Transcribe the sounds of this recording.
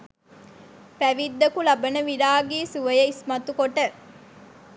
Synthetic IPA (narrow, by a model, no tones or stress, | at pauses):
pæʋid̪ːɐkulɐbɐnəʋiɾaːɡiːsuʋɐjɐismɐt̪ukoʈə